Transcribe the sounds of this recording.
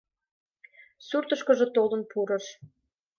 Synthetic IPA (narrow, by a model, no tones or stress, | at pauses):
surt̪əʃkə̆ʒɤ̆t̪olənpuɾə̆ʃ